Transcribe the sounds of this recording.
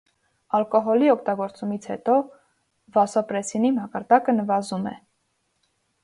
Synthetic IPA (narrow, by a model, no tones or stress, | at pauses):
ɑlkɔɦɔliɔk̚ʰt̪ɑɡɔɾt͡sumit͡sʰhɛ̰t̪ɔ | vɑsɔpɾɛsinimɑkɑɾd̪ɑkənəvɑzumɛ̰